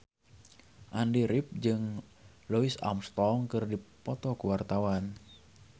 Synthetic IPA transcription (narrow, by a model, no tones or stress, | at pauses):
ʔandiɾip̚d͡ʒɨŋ | lɔisa̰mst̪ɔŋkɨrdipɔt̪ɔkuwart̪awan